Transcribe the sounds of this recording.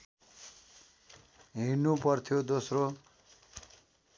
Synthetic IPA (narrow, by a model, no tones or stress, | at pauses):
ɦinːupʌrt̪ʰjod̪osro